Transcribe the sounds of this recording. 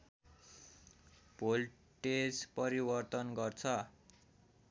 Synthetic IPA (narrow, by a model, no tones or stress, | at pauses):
bol | ʈespʌɾibʌrt̪ʌnɡʌrt͡sʰʌ